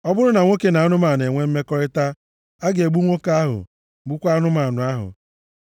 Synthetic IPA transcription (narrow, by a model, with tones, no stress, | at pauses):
ɔ˦bʊ˦ɾʊ˦na˨ŋʷo˦ke˨na˨a˦nʊ˦ma˨n˨e˨ŋʷe˦m̩˦me˦kɔ˦ɾɪ˦ta˦ | a˦ɡe˨ɡ͡bu˦ŋʷo˦ka˦a˦ɦʊ̰˨ | ɡ͡bʊ˦kʷa˦nʊ˦ma˨nʊ˨a˦ɦʊ̰˨